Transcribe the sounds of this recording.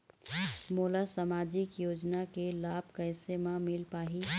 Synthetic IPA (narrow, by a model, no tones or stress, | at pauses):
moːlasamaːd͡ʒɪkjoːd͡ʒnakelaːbkəɪsemãmɪlpaːɦi